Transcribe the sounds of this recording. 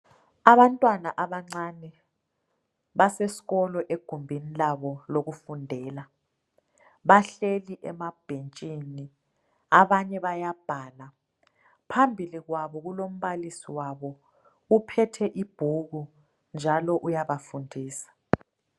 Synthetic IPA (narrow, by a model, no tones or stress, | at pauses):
aβantʼwanaʔaβaŋ͡ǀaːnɛ | βasesi̥ɣɔlɔʔeɡ̥ʱumbʱinilaβɔloɣufundʱɛːla | βaɬeliʔɛmab̥ʱent͡ʃʼini | aβaɲɛβajab̥ʱaːla | pʰambʱiliɣwaβɔɣulom̩βalisiwaβɔ | upʰɛtʰɛʔib̥ʱuɣu | nd͡ʒʱalɔʔujaβafundʱiːsḁ